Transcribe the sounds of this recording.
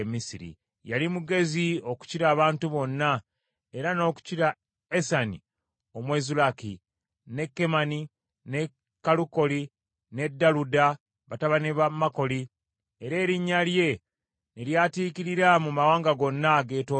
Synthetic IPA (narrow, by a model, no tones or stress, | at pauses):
misiɾḭ | jalimuɡe̞zio̞ku̥ciɾaːβaːntuβo̞nːa | e̞ɾano̞ːku̥ciɾa | esani | o̞mwezulaki | ne̞kːe̞mani | ne | kːaluko̞li | ne̞dːaluda | βataβaniβamako̞li | e̞ɾe̞ːɾiɲːalje̞ | neljaːtiːkiɾiɾamumawaːŋɡaɡo̞nːaɡe̞ːto